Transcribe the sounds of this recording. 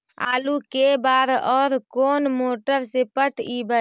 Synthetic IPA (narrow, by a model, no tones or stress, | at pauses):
a̰ːlukebaːd̪ɔːɾkoːnmoːʈəɾsepəʈibə